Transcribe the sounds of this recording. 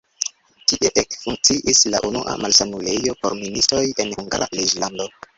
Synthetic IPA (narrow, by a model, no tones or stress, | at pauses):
tiʔe̞ʔekfuŋk̚t͡siʔisla̰ʔunuʔa̰malsanule̞jo̞poɾministo̞je̞nhuŋɡa̰ɾa̰lid͡ʒlando̞